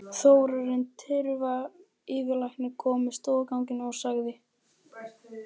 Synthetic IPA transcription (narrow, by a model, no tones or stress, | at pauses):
θoːwɾaɾɪnt̪ʰɪɾva | ɪːvɪlajhknɪkʰɔːmɪst̪ɔːðkawŋcɪnawsaɣðɪ